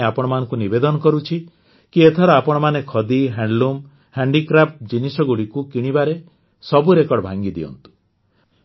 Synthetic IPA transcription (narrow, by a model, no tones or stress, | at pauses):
apɔɽ̃ɔmanɔŋkunibed̪ɔnɔkɔɾut͡ʃʰi | kiet̪ʰɔɾɔapɔɽ̃ɔmanekʰɔd̪iɦaɳɖlum | haɳɖikɾapʰʈd͡ʒinisɔɡuɽikukiɽ̃ibaɾe | sɔbuɾekɔɽɔbʱaŋɡid̪ḭɔ̰nt̪u̥